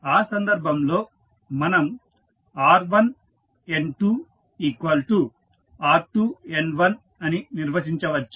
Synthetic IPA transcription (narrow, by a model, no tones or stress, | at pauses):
aːsɐnd̪ɐɾbʱɐmlo̞ː | mɐnɐm | aːɾʋɐn | enʈuː | iːkʋɐlʈu | aːɾʈuːe̞nʋɐn | ɐniniɾʋɐʃiɲt͡ʃɐʋɐt͡ʃːu̥